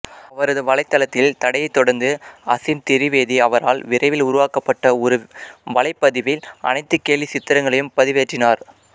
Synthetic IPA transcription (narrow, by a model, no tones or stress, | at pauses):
ɐʋɐɾɐðɯʋɐlɐɪt̪ːɐlɐt̪ːɪlt̪ɐɽɐjɐɪt̪ːɔɽɐɾnd̪ɯɐsɪmt̪ɪɾɪʋeːðiɐʋɐɾaːlʋɪɾɐɪʋɪlʊɾʊʋaːkɐpːɐʈːɐɾɯʋɐlɐɪpːɐðɪʋɪlɐ̰nɐɪt̪ːɯkːeːlʋisɪt̪ːɪɾɐŋɡɐɭɐjɯmpɐðɪʋeːʈrɪnaːɾ